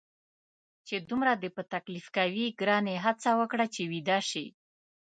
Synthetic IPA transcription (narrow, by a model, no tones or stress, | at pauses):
t͡ʃed̪umɾad̪əpət̪aklifkawiɡɾɑneɦat͡sawəkɽat͡ʃewid̪ɑʃi